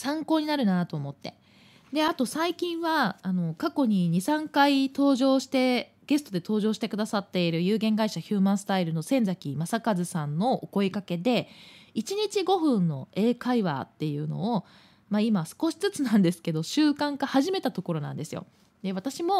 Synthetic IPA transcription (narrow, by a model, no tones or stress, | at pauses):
sãŋko̞ːɲ̟inaɾɯ̟nat̪o̞ːmo̞t̪ːe̞ | d̪e̞at̪o̞saikʲĩɰ̃βaːno̞kako̞ɲ̟iɲ̟isãŋkait̪o̞ːʑo̞ːɕi̥t̪e̞ | ɡ̥e̞sɨ̥t̪o̞d̪e̞t̪o̞ːʑo̞ːɕi̥t̪e̞kɯ̟d̪asat̪ːe̞iɾɯ̟jɯ̟ːɡẽ̞ŋɡaiɕaçɯːmãɰ̃sɨ̥t̪aiɾɯ̟no̞sẽ̞nd͡zakʲimasakazɨsãnːo̞ːko̞ikake̞d̪e̞it͡ɕiɲ̟it͡ɕiɡo̞ɸɯ̟̃nːo̞̰e̞ːkaiβa̰t̪ːe̞jɯ̟ːno̞̰ː | maimasɨ̥ko̞ɕi̥t͡sɨt͡sɨnãnd̪e̞sɨ̥ke̞d̪o̞ɕɨːkãŋkahaʑime̞t̪at̪o̞ko̞ɾo̞nã̰nd̪e̞sɨjo̰ | d̪e̞βat̪aɕimo̞